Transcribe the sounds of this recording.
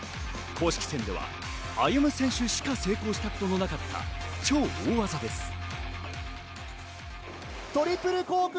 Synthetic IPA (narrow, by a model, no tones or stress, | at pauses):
kʰo̞ːɕi̥kʲi̥sẽ̞nd̪e̞βa̰ | ajɯmɯ̟sẽ̞ɰ̃ɕɨɕi̥kase̞ːko̞ːɕi̥t̪ako̞t̪o̞no̞nakat̪ʰːa̰t͡ɕo̞ːoːβazad̪e̞sɨ̥ | t̪o̞ɾʲipːɯ̟ɾɯ̟koːk